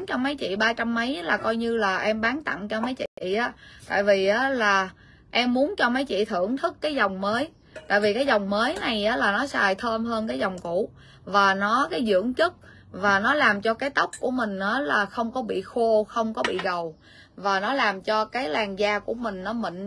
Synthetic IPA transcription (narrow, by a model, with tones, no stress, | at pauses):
nt͡ɕɔ˧wŋ͡mmə˨˦jt͡ɕḭ˧˨ɓaː˧t͡ɕa˧mːə˨˦jlaː˨˩kɔ˧jɲɨ˧laː˨˩ʔɛ˧mɓaː˨˦nt̪a̰˧˨ŋt͡ɕɔ˧ma˨˦jt͡ɕḭ˧˨ḭ˧˨ʔaː˨˦t̪a̰ː˧˨jvi˨˩ʔaː˨˦laː˨˩ | ʔɛ˧mːu˨˦ənt͡ɕɔ˧mə˨˦jt͡ɕḭ˧˨t̪ʰɨ˧˩˨əŋt̪ʰɨ˦˥kːaː˨˦jza˨˩wŋ͡mməː˨˦j | t̪a̰ː˧˨jvi˨˩kaː˨˦jzɔ˨˩wŋ͡mməː˨˦jna˨˩jʔaː˨˦laː˨˩nɔ˨˦saː˧˩jt̪ʰəː˧mɦəː˧nkaː˨˦jzɔ˨˩wŋ͡mku˧˩˥ | vaː˨˩nɔ˨˦kaː˨˦jzɨ̰˧˥˨əŋt͡ɕɨ˦˥t̚ | vaː˨˩nɔ˨˦laː˨˩mt͡ɕɔ˧kaː˨˦jt̪ə˦˥wk͡p̚ku˧˩əmï˨˩ŋ̟ʔaː˨˦laː˨˩xə˧wŋ͡mkɔ˨˦ɓḭ˧˨xo˧xə˧wŋ͡mkɔ˨˦ɓḭ˧˨ɣə˨˩w | vaː˨˩nɔ˨˦laː˨˩mt͡ɕɔ˧kaː˨˦jlaː˨˩ŋzaː˧ku˧˩əmï˨˩ŋ̟nɔ˨˦mḭ̈˧˨ŋ̟